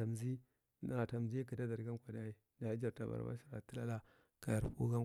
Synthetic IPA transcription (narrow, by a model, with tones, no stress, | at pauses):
a˨mzi˦ | a˨ta˨m˨zi˦ki˨da˦da˨ɾɡa˦kʷa˨da˦i˦ | na˨i˦d͡ʒa˨ɾta˨ba̰˨ɾba̰˦ʃi˨ɾa˨ti˦la˦la˦ | ka˨ja˨ɾpu˦ɡa˦